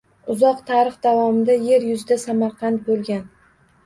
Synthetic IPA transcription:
ʊzɒqt̪ʰaɾɨχd̪avɒmɪd̪aje̞ɾjʊzɪd̪asamaɾqʰɑnt̪̚bolˠɡʲan

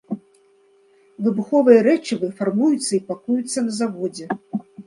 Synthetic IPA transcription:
vɨbuxɔvɨjɐɾɛt͡ʂivɨfarmujut̪sːɐipakujut̪sːɐnɐzavɔd͡zʲɛ

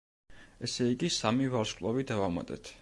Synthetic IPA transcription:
ɛsɛiɡʼisamivaɾʃkʼlˠɔvid̪avama̰t̪ʼɛ̰t̪ʰ

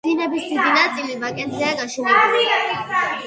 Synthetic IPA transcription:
inɛbisd̪id̪inat̪sʼilivakʼɛnt̪ʰɛaɡaʃuɛ

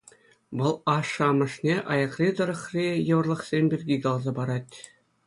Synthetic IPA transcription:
ʋɤ̆lˠɑʂːɤ̆ɑmɤ̆ʂnʲeʔɑjɑqrʲid̪ɤ̆ɾɤ̆χrʲijɤ̆ʋɤ̆rlˠɤ̆χsʲemʲbʲirʲɡʲiɡɑlˠzɑbɑɾɑtʲ

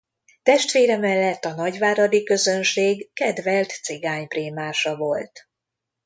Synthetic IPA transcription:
t̪ɛʃt̪ʋeːɾɛmɛlːɛt̪ːɒnɒɟʋaːɾɒd̪ikø̞zø̞nʃeːɡːɛd̪vɛlt̪seɡaːɲpreːmaːʃɒvo̞lt̪

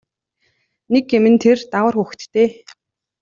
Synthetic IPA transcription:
nekːemɘ̆nt̪ʰert̪awə̆rxuxt̪t̪ːeː

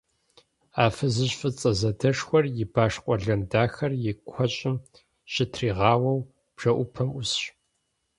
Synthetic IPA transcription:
aːfɨzɨɕfɨt͡sʼɐzɐdɐʂxʷɔrjɪbaːʂqʷʼɔɮɐmdaːxɐrjɪkʷʰɔɕʼɪm | ɕʼɪtʰriːʁɑːwɐw | b̥ʐ̥ɐʔʷʊpʰɐmʊsɕ

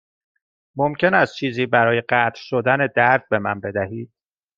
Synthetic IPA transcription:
momcʰe̞næst̪̚t͡ʃʰiːziːbæɾɒːje̞ɢæːt̪ʰɾʃod̪æne̞d̪æɾd̪̥̚be̞mænbe̞d̪æhiːd̪̥̚

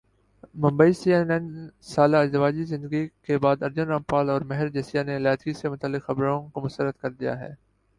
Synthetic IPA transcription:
mɐ̃mbəisiɛnɛ̃nsaːlaɪd͡ʒd̪əʋaːd͡ʒizɪ̃nd̪əɡikebaːd̪ɐɾd͡ʒʊnɾãːmpaːlɔːɾmɛɦəɾd͡ʒesijaneɪlaːt̪ɡisemʊt̪əlːɪqxɐbɾõkomʊst̪əɾət̪kɐɾd̪ija̰ɦɛ̰ː

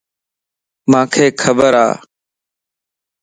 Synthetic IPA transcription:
mãːkʰeːkʰəbəɾa̰ː

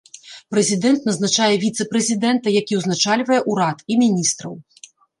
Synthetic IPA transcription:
pɾɛzʲid̪ɛnt̪nɐznat͡ʂajɛvʲit̪sɛpɾɛzʲid̪ɛnt̪ɐjakʲiwznat͡ʂalʲvɐjɛʔuɾat̪imʲinʲist̪ɾɐw

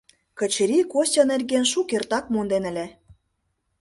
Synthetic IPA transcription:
kə̆t͡ɕɾikosʲɤ̆nĕrʲɣenʃukert̪ɑk̚mond̪enə̆lʲe

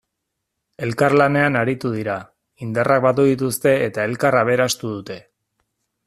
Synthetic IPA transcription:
e̞lkarlane̞anaɾit̪uð̞iɾa | ind̪arʔak̚bat̪uðit̪ust̪e̞ːt̪ae̞lkaraβ̞e̞ɾast̪uð̞ut̪e̞

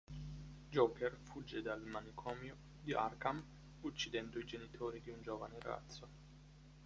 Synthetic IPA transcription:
d͡ʒokɛrfud͡ʒːed̪almanikʰɔːmjo | d̪iʔa̰rkam | ut͡ʃːid̪ɛnd̪oid͡ʒenit̪ʰoːɾid̪iund͡ʒoːvanera̰t̪sːo

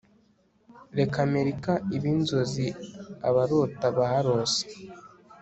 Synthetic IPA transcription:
ɾe̞kame̞ɾikaiβinzo̞ziaβaɾotaβaaɾo̞se̥

